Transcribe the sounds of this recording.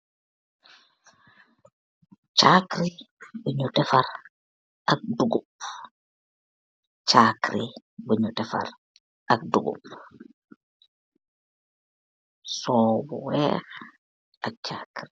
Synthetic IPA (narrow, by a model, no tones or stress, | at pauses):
t͡ʃaːkɾi | biɲutɛfaɾ | ʔak̚duɡum | t͡ʃaːkɾibiɲutɛfa̰ɾ | ʔak̚duɡṵp | sɔːbɔwɛːx | ʔak̚t͡ʃakɾi